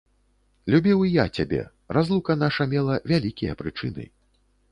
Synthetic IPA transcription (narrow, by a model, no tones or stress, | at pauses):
lʲubʲiwijat͡sʲabʲɛ̰ | razlˠukɐnaʂɐmʲɛlˠɐvʲalʲikʲijɐ̰pɾɨt͡ʂɨnɨ̰